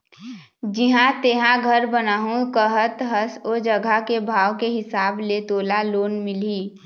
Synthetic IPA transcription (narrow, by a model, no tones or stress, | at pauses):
d͡ʒiɦãt̪eːɦãɡʱəɾbənaːɦũkəɦət̪ɦəsoːd͡ʒəɡʱakebʱaːʋkeɦɪsaːblet̪oːlaloːnmɪliː